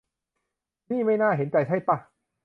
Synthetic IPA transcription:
niː˥˩ma˥˩jnaː˥˩ɦe˨˦nt͡ɕa˨˩jt͡ɕʰa˥˩jp̪a˧˩

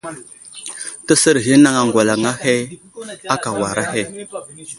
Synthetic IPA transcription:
tə˦sə˦ɾɣi˦na˦ŋa˨ŋɡʷa˨la˨ŋa˦he˦ | a˦ka˨wa˨ɾa˦he˦˨

